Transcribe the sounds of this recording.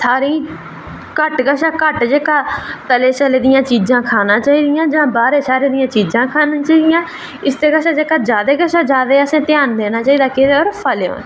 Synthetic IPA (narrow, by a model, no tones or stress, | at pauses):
saːɾĩː | kəʈɡəʃaːkəʈd͡ʒeːkaːt̪əleːt͡ʃəleːd̪ɪjãːt͡ʃiːd͡ʒãːkʰaːnãːt͡ʃaːiːd̪ɪjãːd͡ʒãːbaːɾeːsaːɾeːd̪ɪjãːt͡ʃiːd͡ʒãːkʰaːnãːt͡ʃaːiːd̪ɪjãː | ɪst̪eːkəʃaːd͡ʒeːkaːd͡ʒaːd̪eːɡəʃaːd͡ʒaːd̪eːəsẽːt̪ɪjaːnd̪eːnaːt͡ʃaːiːd̪aːked̪eːoːɾpʰəleo̰ːn